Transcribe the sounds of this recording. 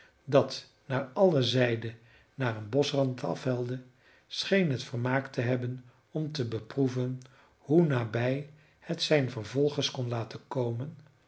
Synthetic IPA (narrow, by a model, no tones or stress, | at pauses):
dɑt | naːɹɑləzɛjdə | naːrənbɔsrɑntɑ̰fɦɛlˠdə | sχejnɦətfəɹmaːktəɦɛbən | ɔmtəbəpruvən | hunaːbɛj | hətsɛjnvəɹvɔlˠχəskɔnlaːtəkowmən